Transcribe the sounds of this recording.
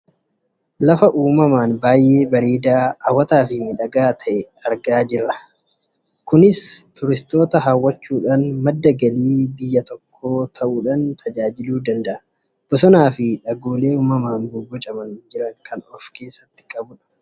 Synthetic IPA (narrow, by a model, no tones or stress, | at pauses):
lɐfɐʔuːmɐmaːnbaːjʔe̞ːbɐɾeːd̪aːɐwːɐt̪aːfɪmɪᶑɐɡaːt̪ʰɐʔɛ | ɐɾɡaːd͡ʒɪɾːɐ | kʊnɪst̪ʊɾɪst̪o̞ːt̪ɐɦaːwːɐt͡ʃːuːᶑaːnmɐd̪ːɐɡɐliːbɪjːɐt̪ɔkʰːo̞ːt̪ʰɐʔuːᶑaːnt̪ʰɐd͡ʒaːd͡ʒɪluːd̪ɐnd̪ɐʔɐ | b̥ɔsɔnaːfɪᶑɐɡo̞ːle̞ːuːmɐmaːnbʊɡɔt͡ʃʼɐmɐnd͡ʒɪɾɐŋkɐnɔfke̞ːsːɐt̪ːɪ̥kʼɐbʊᶑɐ̥